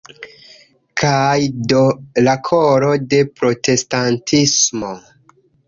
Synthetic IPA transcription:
kʰajdolakʰoɾo̞de̞pɾo̞te̞stantʰismo̞

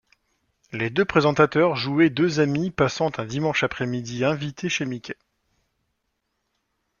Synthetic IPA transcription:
led̪øpχezɑ̃t̪at̪œʁʒuɛd̪øzamipasɑ̃t̪ɛ̃d̪imɑ̃ʃapχɛmid̪iɛ̃vit̪eʃemikʲɛ

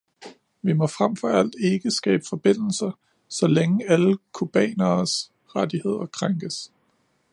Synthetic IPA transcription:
ʋimɒ̽fʁamfɒ̽æl̰d̥e̝ɡ̥əsɡ̥ɛ̰ːb̥əfɒ̽b̥e̝n̰l̩sɐ | sɒ̽leŋəæləkʰub̥ɛ̰ːnɐːs | ʁad̥ihe̝ð̞̰ˠɐkʰʁaŋɡ̥əs

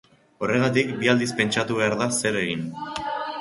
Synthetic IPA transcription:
o̞re̞ɣ̞at̪ikbiald̪ispe̞nt͡ʃat̪uβe̞aɾðase̞ɾe̞ɣin

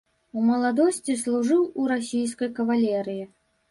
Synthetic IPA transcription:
umɐlˠad̪ɔsʲt͡sʲislˠuʐɨwuɾasʲijskɐjkɐvalʲɛɾɨji

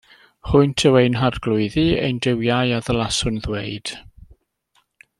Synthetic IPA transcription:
hʊɨntʰɛwejnɦarɡ̥lˠʊɨðiḛjndɪwjajaðəlˠasʊnðweɨd̥

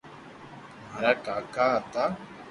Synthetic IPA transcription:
m̤aːɾaːʈaːkaːat̪aː

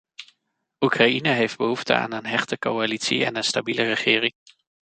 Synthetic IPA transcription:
ukrainəɦejfd̚bəɦuftə̰a̰ːnənɦɛχtəkowalitsḭɛ̰nənstabilərəχɪːrɪŋ

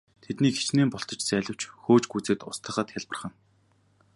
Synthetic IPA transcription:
t̪ʰet̪niːkxe̥t͡ɕneːmpɔɬt̪ɞ̆t͡ɕt͡sæːɮʲə̆w̥t͡ɕxoːt͡ɕɡujt͡sɘ̆t̪ʊst̪ʰə̆χə̆t̪xʲaɮpə̆rχə̆n

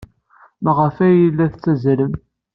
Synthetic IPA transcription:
mæʁəfæjəlːæθt͡sːæzləm

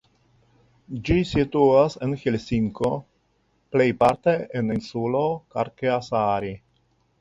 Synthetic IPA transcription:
d͡ʒisituasenxilsiŋko | ple̞jpaɾte̞eninsuloka̰ɾkeasaɾi

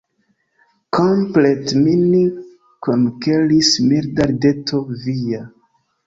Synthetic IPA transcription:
kompletmini | konkelismiɾdaɾdetʰovija

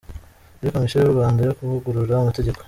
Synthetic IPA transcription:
eɾiko̞misejuɾuβaːndajokuvuɡuɾuɾaumate̞ɟe̞ko̥

